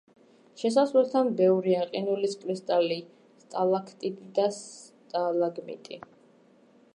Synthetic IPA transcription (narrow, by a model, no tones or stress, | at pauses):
ʃɛs̬asvɛlˠt̪ʰanbɛvɾiaqʼinuliskʼɾist̪ʼali | st̪ʼalakʰt̪ʼit̪ʰʼid̪as | t̪ʼalaɡmḭt̪ʼḭ